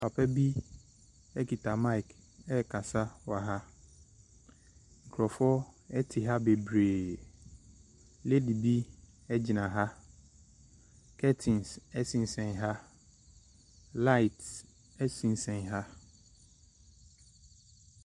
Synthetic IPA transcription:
pʰa˨pʰɛ˦bi˦ | ɛ˦ki˨tʰa˨mã˦˨k | ɛ˦˨kʰa˨sa˦wa˨ɦa˦ | ŋ̩˨kʰɾɔ˨fɔ˦ɛ˦tʰɪ˨ɦa˦be˨bɾeː˨ | le˦di˨bi˦ | ɛ˦d͡ʑi˨nã˨ɦa˦ | kʰɛ˦tʰĩ˨nsɛ˦sĩ˨n̩˦sɛ̃˨nɦa˦ | la˦i˨t | ɛ˦sĩ˨n˦sɛ̃˨nɦa˦

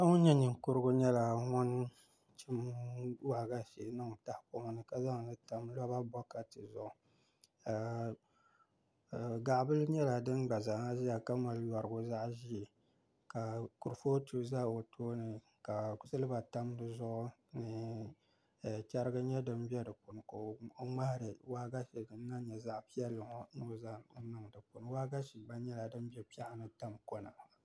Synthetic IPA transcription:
a˦ŋo˦ɲɛ˦nɨ˨ŋkʊ˦ɾɨ˦ɡʊ˦ɲɛ˦la˨ŋɔ˦n˦ | t͡ʃi˦mwa˨ɡa˦ʃe˨˦nɨ˦ŋ˨ta˦hpo˦ma˦nɨ˨ka˨za˦ŋ˨nɨ˦ta˨mla˦ba˦bɔ˦ka˨tɨ˨zʊ˦˨ʊ˨ | ɡa˨ʔbɨ˦lɨ˦ɲɛ˦la˨dɨ˦nɡ͡ba˨za˨ŋa˦ʒi˦ja˨ka˦ma˨ljɔ˨ɾɨ˨ɡʊ˦za˦ʔʒi˦ɛ˨ | ka˨ku˨ɾfo˦tu˦za˦˨o˨tʰoː˦nɨ˨ | ka˨kʊ˦sɨ˦lɨ˦ba˨ta˦m˦dɨ˦zʊ˦ʔʊ˦nɨ˨ | t͡ʃʲɛ˦ɾɨ˦ɡɨ˦ɲɛ˦dɨ˦mbi˦ɛ˦dɨ˨pʊ˨n˨ko˦ŋ͡ma˦ha˨ɾɨ˨wa˦ɡa˦ʃi˨dɨ˨n˦na˦ɲɛ˨za˦ʔpi˦ɛ˦lːɨ˨ŋ˦no˦˨za˦nɨ˦˨ŋdɨ˨pʊ˨n˨wa˦ɡa˦ʃi˨ɡ͡ba˦ɲɛ˦la˨dɨ˦m˦bɛ˦pi˦a˦ʔnɨ˦ta˦mko˦na̰˨

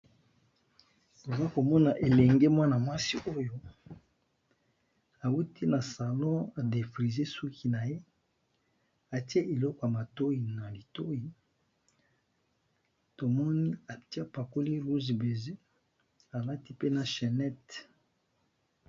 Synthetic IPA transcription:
to˨za˦ko˨mɔ˦na˨ʔe˨lɛ˨ŋɡe˦mwa˦na˨mwa˦si˦ʔo˦jo˦ | a˨u˦tʰi˦na˨sa˨lɔ̃˦a˨de˨fʁi˨ze˦su˦kʰi˦na˨je˦ | a˨ti˦e˦ʔe˨lɔ˦kɔ˨ja˨ma˨to˦i˨na˨li˨to˦ji˨ | to˨mɔ˦ni˦a˨ti˦a˦pa˨ko˦li˦ʁu˦zbe˨ze˦ | a˨la˦ti˦pe˦na˨ʃɛ˨nɛ˦t

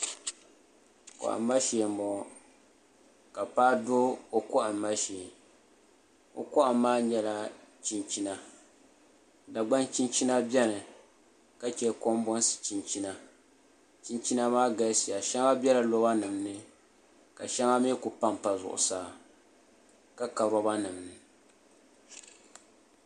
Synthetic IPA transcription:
kɔ̰˨ʔa̰˨mː˦a˦ʃeː˨mɔ˨ | ka˨paː˦do˦o˨kɔ˦ʔa˨mː˨a˦ʃɛ˨ | o̰˨kɔ˦ʔa˨mːaː˦ɲɛ˦la˦t͡ʃi˦nt͡ʃi˦na˨ | da˨ɡ͡ba˦nt͡ʃi˦nt͡ʃi˦na˦bɛ˦nɨ˨ | ka˦t͡ʃɛ˨ko˦mbɔ˦n˦sɨ̥˨t͡ʃi˨nt͡ʃi˦na˦ | t͡ʃi˦nt͡ʃi˦na˦maː˦ɡa˦si˨ja˨ʃɛ˦ŋa˦bʲɛ˦la˨lɔ˦ba˦nɨ˨mnɨ˦ | ka˨ʃɛ˦ŋa˦me˦kʊ˨pa˦mpa˨zʊ̰˨ʔʊ̰˨saː˦ | ka˦ka˨ɾɔ˦ba˦nɨ˨mnɨ˨

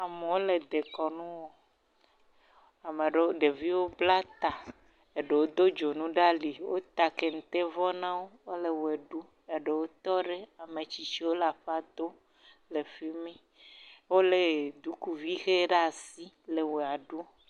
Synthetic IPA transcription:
a˨mẽ˨wo˦le˨d̪e˨kɔ˨nũ˦wo˦ | a˨me˨ɖe˨wo˦ɖe˨vi˦wo˦bla˦t̪a˨ | e˨ɖe˨wo˦d̪o˦d͡ʒo˨nũ˦ɖa˦li˨wo̰˦t̪a˨ke˨ŋ̩˨t̪e˦vɔ˦nã˦wo˦wo˦le˨we˨ɖu˦ | e˨ɖe˨wo˦t̪ɔ˦ɖe˦a˨mẽ˨t͡ɕi˨t͡ɕi˦wo˦la˨ɸa˦d̪o˦ | le˨fi˦mɛ̃˦ | wo˦le˨d̪u˦ku˦vi˦xe˦ɖa˨si˦ | le˨we˨a˨ɖu˦

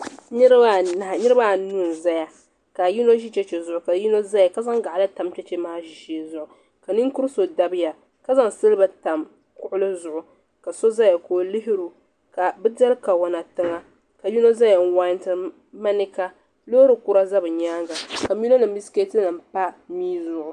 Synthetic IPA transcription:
nɨ˦ɾba˦˨na˨ha˨nɨ˦ɾɨ˦ba˦˨nu˦n˨za˦ja˨ | ka˨ji˦no˦ʒi˦t͡ʃɛ˦t͡ʃɛ˨zʊ˨ʔʊ˨ka˨ji˦no˦za˦ja˨ka˦za˦ŋɡa˨ʔlɨ˦ta˨mt͡ʃɛ˦t͡ʃɛ˦maː˦ʒi˨ʃi˨˦˨zʊ˨ʔʊ˨ | ka˨nɨ˦ŋku˦ɾso˨da˦bɪ˦ja˨ | ka˦za˦ŋsɨ˦lba˦ta˨m | kʊ˦ʔʊ˦lɨ˦zʊ˨ʔʊ˨ | ka˨so˦za˦ja˨koː˦lɪ˦ɦɪ˦ɾu˨ | ka˨bɨ˦da˦lka˨wa˨na˨tɨ˦ŋa˦ | ka˨ji˦no˦za˦ja˨n̩˦wa˦ntɨ˨ | ma˦nɪ˦ka˦ | lo˦ɾɨ˨ku˦ɾa˦za˦bɨ˨ɲaː˦ɡa˨ka˨mi˦no˦nɨ˨m̩˦bi˦ske˦tɨ˦nɨ˨m˨pa˦miː˦zʊ˨ʔʊ˨

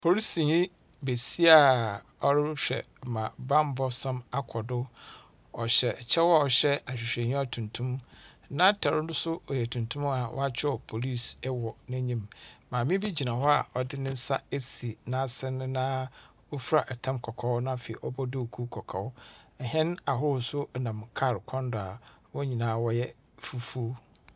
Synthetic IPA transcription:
pʰo˨ɾi˦sĩ˨ɲĩ˦ | be˨si˦a˨ | ɔ˦ɾɪ˦ɕᶣɛ̰˨ | mã˨bã˦m˦bɔ˨˦sã˦ma˦kʰɔ˨dʊ˦ | ɔ˨ɕɛ˨t͡ɕʰɛ˦wɔ˦a˨ɔ˨ɕɛ˦a˨ɕᶣɪ˨ɕᶣɛ̃˨ɲĩ˦a˦˨tʰũ˨ntʰũ˦m | nã˦tʰa˨ɾʊ˦dʊ˦sʊ˦ɔ˨jɛ˨tʰũ˨ntʰũ˦m˦a˨wʔɔ̰˦a˦t͡ɕʰᶣɪ˦ɔ˨pʰo˨li˦˨sɛ˦wɔ˨nã˦ɲĩ˦mmãː˨mĩ˦bi˦d͡ʑi˨nã˨hɔ˦a˨ɔ˨dɪ˦nɪ̃˦n̩˦sa˦e˦si˨nã˦˨sɪ̃˦nɪ̃˦nãː˦ | wo˦fu˦ɾa˨ʔɛ˨tʰã˦mkʰɔ˨kʰɔ˨˦wnã˦˨fe˨i˨ʔɔ˦bɔ˦dɪ˦˨kʰu˦kʰɔ˨kʰɔ˨ʊ˦ɛ˨ɦɛ̃˦na˨ɦʊ˦˨sʊ˦nã˨mkʰa˦˨ɾkʰɔ̃˦ndʊ˨a˨wɔ˦ɲĩ˨nãː˨˦wɔ˦jɛ˦ | fu˦fu˦

